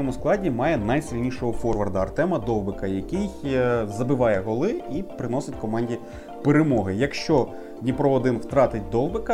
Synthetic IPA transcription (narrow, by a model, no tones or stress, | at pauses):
ɔmʊsklˠɑdʲimɑjɛnɐjsʲilʲnʲiʃɔɦɔfɔrʋɐrd̪ɐɐrt̪ɛmɐd̪ɔlˠbɪkɐjɐkɪjzɐbɪʋɑjɛɦɔlˠɪipɾɪnɔsɪtʲkɔmɑnʲdʲi | peɾemɔɦɪjɐkʃt͡ʃɔ | nʲipɾɔɔd̪ɪnwt̪ɾɑt̪ɪtʲd̪ɔlˠbɪkɐ